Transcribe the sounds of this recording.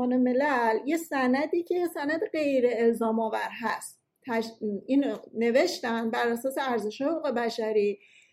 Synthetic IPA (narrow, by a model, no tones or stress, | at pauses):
ɒːne̞me̞lælje̞sænæd̪iːcʰejesænæd̪eɢe̞jɾe̞ːlzɒːmɒːvæɾɦæst̪ʰːæiːnne̞ve̞ʃt̪ænd̪bæɾʔæsɒːse̞æɾze̞ʃhɒːheokuːɣe̞bæʃæɾiː